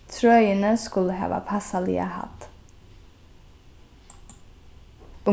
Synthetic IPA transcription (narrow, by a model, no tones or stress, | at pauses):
t̪ʰɾœʏənəskʉləhɛ̰ːʋɑ̰pʰɑsɑlḭːə̰hɑ̰t̪ | ʊ